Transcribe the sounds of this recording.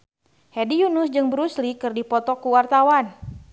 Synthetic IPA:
hedijunʊsd͡ʒɨŋbəɾuslikɨrdipɔt̪ɔkuwart̪awan

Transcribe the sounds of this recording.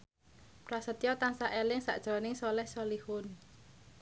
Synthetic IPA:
prasət̪ijɔt̪ansaʔelɪŋsa̰ʔd̥ʒ̥ɾɔnɪŋsɔlɛhsɔlihʊn

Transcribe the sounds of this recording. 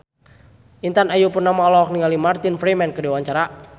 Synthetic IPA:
ʔint̪anajupʊrnamaɔlɔɔk̚niŋalimart̪infɾimɛnkədiwaɲt͡ʃaɾa

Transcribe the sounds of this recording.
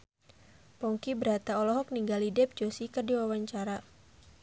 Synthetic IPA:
pɔŋkibəɾat̪aɔlɔɦɔk̚niŋɡalidɛp̚d͡ʒosikərdiwawaɲt͡ʃaɾa

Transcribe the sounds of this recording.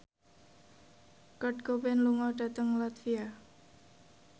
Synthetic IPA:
kɔʈ̚ɡobɛnluŋɔɖ̥ä̤t̪əŋlat̪fia

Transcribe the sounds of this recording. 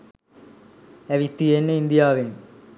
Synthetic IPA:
æʋit̪ːienːəind̪ijaːʋeŋ

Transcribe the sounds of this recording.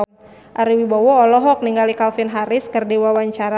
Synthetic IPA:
ʔaɾiwibawɔːlɔɦɔk̚niŋɡalikalfinɦaɾɪskərdiwawaɲt͡ʃaɾa

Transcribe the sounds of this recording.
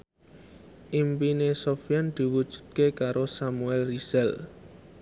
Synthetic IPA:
ʔimpinesofijand̪̥i̤wud̥ʒ̥ṳ̥d̪̚kekaɾosamuɛlriz̥ɛl

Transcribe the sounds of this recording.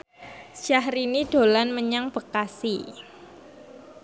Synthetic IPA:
ʒ̥ahɾinid̥o̤lanməɲaŋb̥ə̤kasi

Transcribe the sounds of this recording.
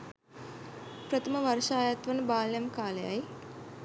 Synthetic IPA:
pɾət̪ɐməʋɐrʃaːjat̪ʋɐnəbaːljɐmkaːleja̰j

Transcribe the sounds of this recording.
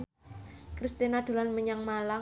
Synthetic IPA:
kɾist̪inad̪̥o̤lanməɲaŋmala

